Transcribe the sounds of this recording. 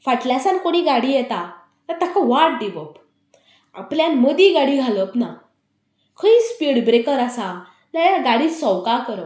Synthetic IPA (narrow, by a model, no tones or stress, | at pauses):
faʈljasãnkoɽ̃iːɡaɽijɛt̪a | t̪ət̪ʰakaʋaʈ̚d̪iʋəp | a̰pljanməd̪iɡaɽiɡʱaləpna | kʰəispiɽbɾekəɾasa | ləaɡaɽiːsɔwkakəɾəp